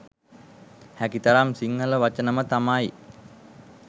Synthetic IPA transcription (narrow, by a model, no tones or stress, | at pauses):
hækit̪əɾamsiŋːələʋat͡ʃənəmət̪amaj